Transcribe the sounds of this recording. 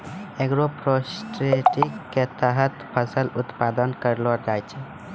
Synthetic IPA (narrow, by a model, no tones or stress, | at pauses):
eɡɾopɾosʈɾeʈikːet̪əɦət̪pʰəsəlut̪pad̪ənkəɾlod͡ʒajt͡ʃʰɛ